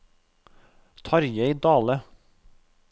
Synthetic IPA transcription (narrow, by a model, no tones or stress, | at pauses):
t̪ʰɑɾjəɪd̪ɑːlə